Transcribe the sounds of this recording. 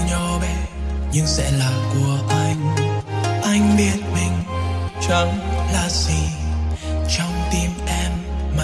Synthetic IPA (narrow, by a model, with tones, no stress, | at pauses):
ɲɔ˧ɓɛ˨˧˦ɲɨ˧ŋsɛ̰˧˥laː˨˩ku˨˩əʔa˧jŋ̟ | ʔa˧jŋ̟ɓi˧˩ət̚mï˨˩ŋ̟t͡ɕə˧˦nlaː˨˩si˧˩ | t͡ɕɔ˧wŋ͡mt̪i˧mʔɛ˧mːa˨